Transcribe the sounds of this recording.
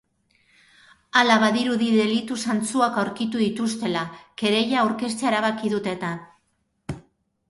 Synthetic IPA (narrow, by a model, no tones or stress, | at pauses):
alaβaðiɾuðiðe̞lit̪usant͡suakawɾkit̪uðit̪ust̪e̞lake̞ɾe̞ʝawɾke̞st͡seaeɾaβ̞akiðut̪e̞t̪a